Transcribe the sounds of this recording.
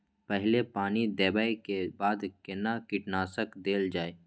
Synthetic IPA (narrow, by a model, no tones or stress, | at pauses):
pɛɦlepaːnid̪ɛːbaːikebaːd̪kɪnakɪʈnaːsəkd̪eːld͡ʒaːeː